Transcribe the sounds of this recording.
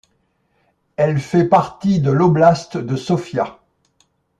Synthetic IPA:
ɛlfɛpaʁt̪id̪əlɔblast̪d̪əsɔfja

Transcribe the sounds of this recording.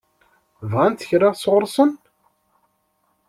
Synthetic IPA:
vʁænt̪θəçɾɑʁsʁʊɾˤsˤən

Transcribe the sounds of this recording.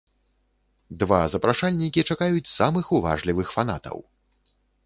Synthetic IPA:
d̪vazɐpɾaʂalʲnʲikʲit͡ʂakajut͡sʲsamɨxuva̰ʐlʲivɨxfan̪at̪ɐ̰w

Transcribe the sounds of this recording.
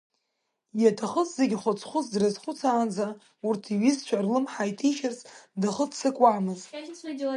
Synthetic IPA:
jatʰaχəszeɡʲχʷʊt͡sʰχʷʊzdrɨzχʷʊt͡sʰaːnd͡za | urtʰiɥizt͡ʃʷʰarlɨmħajtʰiʃarsdaχət͡sʰsɨkʷʼwaːmɨzt

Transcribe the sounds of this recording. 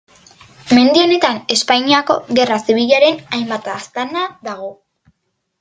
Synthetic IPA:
me̞nd̪io̞ne̞t̪ane̞spajɲiako̞̰ɣe̞rasiβ̞iʎaɾe̞najmbat̪ast̪anaðaɣo̞

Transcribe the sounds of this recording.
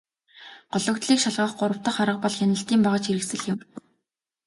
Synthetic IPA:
ɢ̥ʊɮɞ̆kt̪ɮiːkʃaɮʁə̆χɢʊɾə̆w̥t̪ə̆χaɾə̆q̚pɔɮxʲanə̆ɬt̪iːmpaʁə̆t͡ɕxiɾɘ̆ksɘ̆ɮɪ̆m

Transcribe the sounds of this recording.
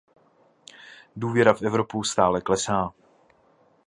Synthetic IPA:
duːvjɛɾafʔɛvɾo̞pust̪aːlɛklɛsaː

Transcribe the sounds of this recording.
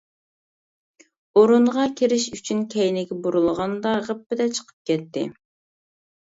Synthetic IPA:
oɾunʁɑkʲʰiɾɪʃyt͡ʃʰynkʲʰɛjnɪɡʲɛbuɾulˠəʁɑnd̪ɑʁəpːɪd̪ɛt͡ʃʰə̥qʰə̥p̚kʲʰɛt̪ʰːɪ̰

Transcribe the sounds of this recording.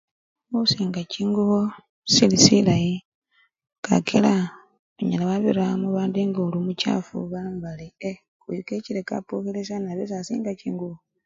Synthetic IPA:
osiːŋɡaciːŋɡuβo | silisilaji | ka̰kʰela | βoɲalaβaβiɾamuβaːndiŋɡolumuca̰fṵβambalie | kujikeciɾeka̰pokeles̬anaβes̬asḭːŋɡaciːŋɡuβo

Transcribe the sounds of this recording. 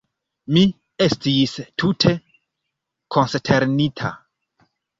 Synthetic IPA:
mi | e̞stistʰutʰe̞ | kʰo̞nstʰe̞ɾnitʰa̰

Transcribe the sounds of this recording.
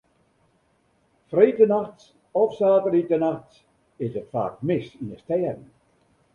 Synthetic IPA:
freːtənaxts | ɔfsaːtəritənaxt | ɪsətfa̰ːkmɪsinəstɛːədn̩

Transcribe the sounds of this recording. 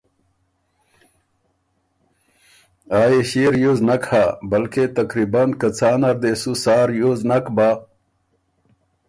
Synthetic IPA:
aːjeɕiɾjoznɐkhabɐlket̪ɐkɾibankɐt͡saːnɐɾd̪esusaːɾjoznɐkba

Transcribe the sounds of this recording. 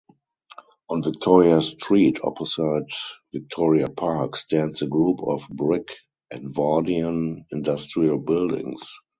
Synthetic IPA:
ʔɔ̃nvɪk̚tʰɔɹiastɹiːtʰɔ̰pʰɔsaɪtvɪk̚tʰɔɹiapʰakstʰæ̃ndsəɡɹuːpʰɔfbɹɪk | ʔɛ̃ntvadiə̃nɪ̃ndastɹiəlbɪldɪ̰̃ŋs

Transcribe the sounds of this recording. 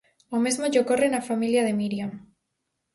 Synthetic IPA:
omezmoʝokorenafamiljaðemiɾjam

